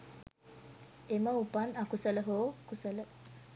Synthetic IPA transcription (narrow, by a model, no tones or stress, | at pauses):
eməupanakusələɦoːkusələ